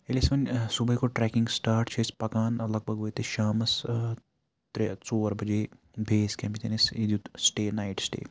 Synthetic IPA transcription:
elʲismɐnʲsubɐkoʈɾɛːkĩŋɡsʈaːɾʈt͡ʃʰespɐkaːnɐlɐɡ̚bʱɐɡʋojt̪eʃaːmɐs | t̪ɾet͡soːɾbɐd͡ʒeː | bʱeːskʲẽmpit̪eːnisid̪ut̪sʈeːnaːiʈsʈḛː

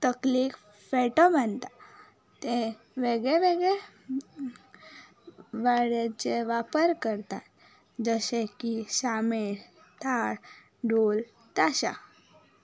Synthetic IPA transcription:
t̪əkliːk | feʈomant̪a | t̪e | ʋeɡɭeʋeɡɭe | ʋəɽet͡ɕeʋapəɾkəɾt̪at̪ | d͡zəɕekiɕameɽ | t̪ʰaɽ | ɖol | t̪aɕa̰

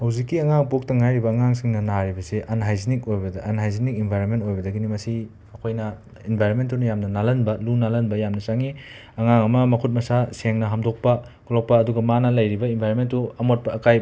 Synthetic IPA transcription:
hɐwzikːiɐŋaŋpok̚tɐŋajɾibɐːŋaŋsiŋnɐnaɾibɐseʔɐnɦajzinikojbɐdɐnɦajzinik̚inbʱajɾonmentojbɐdɐɡinimɐsi | ɐkʰojnɐ | inbʱajɾonmentːunɐjamnɐnalɐnbɐlunalɐnbɐjamnɐsaŋi | ɐŋaŋɐmɐmɐkʰut̚mɐsaseŋnɐɦamdok̚pɐ | kʰulok̚pɐːduɡɐmanɐlɐjɾibɐimbʱajɾonmentːuɐmot̚pɐːkaj

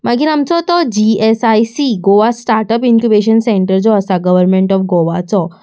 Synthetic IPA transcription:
maɡiɾamt͡sɔt̪ɔd͡ʑiesajsiɡoʋasʈaɾʈəpinkubeɕənsẽɳʈəɾd͡zɔəsaɡəʋəɾmeɳʈɔfɡoʋat͡sɔ

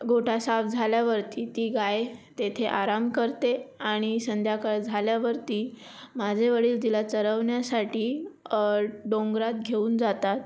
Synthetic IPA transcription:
ɡʱoʈʰasafd͡zʱaljaʋəɾt̪iːt̪iːɡajt̪et̪ʰeʔaɾamkəɾt̪eaɽ̃isənd̪ʱjakəɭd͡zʱaljaʋəɾt̪iː | mad͡zʱeʋəɽiːld̪ilat͡səɾəʋɳjasaʈiː | ɖõŋɡɾat̪̚ɡʱeuːnd͡zat̪at̪̚

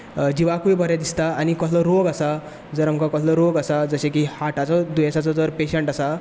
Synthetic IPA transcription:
d͡ʑiʋakujbəɾjɛd̪ist̪aanikɔt̪ʰləɾoɡasa | d͡zəɾamkakɔt̪ʰləɾoɡasad͡zəɕẽkihaʈʰat͡sɔd̪ujesat͡sɔd͡zəɾpeɕəɳʈasa

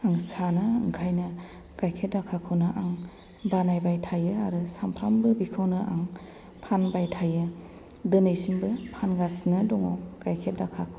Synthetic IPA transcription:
aŋsanɯɯ̰ŋkʰajnɯ | ɡ̥ajkʰet̚dakʰakʰɯwnɯʔaŋ | banajbajtʰajɯaɾɯsampʰɾambɯbikʰawnɯʔaŋ | pʰanbajtʰajɯ | dɯnejsimbɯpʰanɡasnɯdɔŋɔ̰wɡ̥ajkʰet̚dakʰakʰɯw

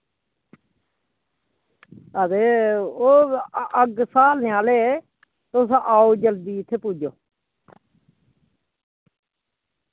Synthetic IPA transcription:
əd̪eːoːəɡsaːlneaːleː | t̪osãʔaːoːd͡ʒəld̪iːɪt̪ʰːeːpuːd͡ʒoː

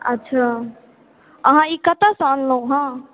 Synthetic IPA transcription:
ətːʃʰa | əɦãikət̪asanləɦũɦã

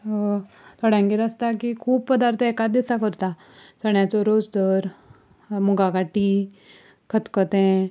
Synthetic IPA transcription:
t̪ʰɔɽãŋɡet̪ast̪akikʰuːb̚pəd̪aɾt̪ʰəekat̪̚d̪isakəɾt̪a | səɳjat͡sɔɾod͡zd̪əɾ | muɡakaʈi | kʰət̪kɔt̪ɛ̃

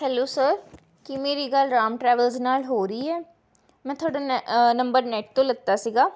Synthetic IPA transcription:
hɛːloːsəːɾ | kɪmeːɾiːɡəlɾaːmʈɾɛːʋəlznaːlɦoːɾəiːɛː | mɛ̃ːt̪ʰoaːɽaːnəmbəɾnɛʈ̚t̪õːləɡ̚t̪aːsiɡaː

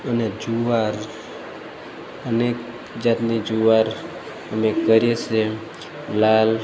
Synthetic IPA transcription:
əned͡ʒuʋaɾ | ənek | d͡ʒat̪nid͡ʒuʋaɾ | əmekəɾet͡ʃʰe | lal

